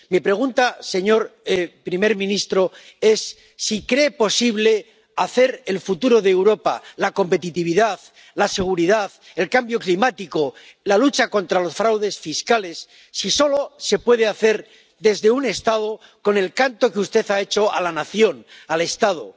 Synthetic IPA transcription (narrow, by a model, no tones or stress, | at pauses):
mipɾe̞ɣ̞unt̪ase̞ɲo̞ɾepɾime̞ɾmĩnist̪ɾo̞e̞sː | ikɾe̞ːpo̞siβle̞ | aθe̞ɾe̞lfut̪uɾo̞ðeːwɾo̞pa̰lako̞mpe̞t̪it̪iβ̞iðað | lase̞ɣ̞uɾiðað | e̞lkambjo̞klimat̪iko̞ | lalut͡ʃako̞nt̪ɾalo̞sfɾawðe̞sfiskale̞sː | iso̞lo̞se̞pwe̞ðe̞aθe̞ɾ | d̪e̞zðe̞une̞st̪aðo̞ | ko̞ne̞lkant̪o̞keust̪e̞θae̞t͡ʃo̞alanaθjo̞nale̞st̪að̞o̰